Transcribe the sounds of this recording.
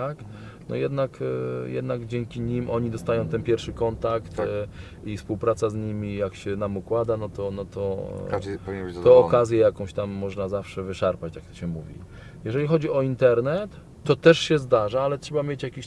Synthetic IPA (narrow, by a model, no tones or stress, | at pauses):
ak | nɔ̰jɛd̪nakjɛ̰d̪naɡd͡ʑɛŋkʲiɲimʔɔɲid̪ɔst̪ajɔ̃w̃t̪ɛnpʲjɛɾfʂɘkɔnt̪akt̪ | ifspuwpɾat̪sazɲimʲijakɕɛnamukwad̪anɔt̪ɔnɔt̪ɔ | pɔvʲiɲb̪t̪ɔːkazʲjɛjakɔ̃w̃ɕt̪amːɔʐnazafʂɛvɘʂaɾpat͡ɕt̪jak̚t̪ɕɛmuvʲḭ | jɛʐɛlʲixɔd͡ʑiɔint̪ɛɾnɛt̪ː | ɔt̪ɛʂɕɛzd̪aʐaalɛtʂɛbamʲjet͡ɕjakʲiɕ